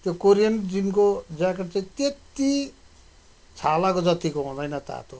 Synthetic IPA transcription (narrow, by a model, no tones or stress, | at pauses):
t̪jokoɾijʌnd͡zinkod͡zakeʈ̚t͡saĩt̪et̪i | t͡sʰalakod͡zʌt̪ikoɦũd̪ʌjnʌt̪a̰t̪o